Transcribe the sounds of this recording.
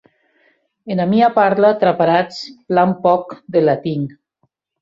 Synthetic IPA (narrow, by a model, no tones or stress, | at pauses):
enamiapaɾlat̪ɾapaɾat͡splampɔkd̪elat̪iŋ